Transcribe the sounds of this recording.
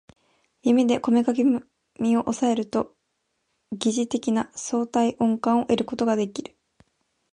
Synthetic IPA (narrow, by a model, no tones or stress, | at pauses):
jɯmʲid̪e̞ko̞me̞kake | mʲio̞ʔosae̞ɾɯ̟t̪o̞ | ɡʲiʑit̪e̞kʲinaso̞ːt̪aiʔõ̞ŋkãɰ̃o̞ʔe̞ɾɯ̟ko̞t̪o̞ɡad̪e̞kʲiɾɯ̟̥